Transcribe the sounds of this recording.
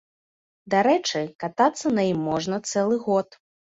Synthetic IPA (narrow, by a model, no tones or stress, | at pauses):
d̪aɾɛt͡ʂɨkat̪at̪sːɐnɐjimːɔʐnɐt̪sɛlˠɨɣɔt̪